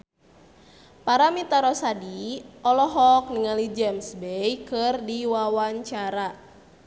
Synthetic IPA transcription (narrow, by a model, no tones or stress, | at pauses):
paɾamit̪aɾɔsadiʔɔlɔɦɔk̚niŋalid͡ʒɛmsbejkɨrdiwawaɲt͡ʃaɾa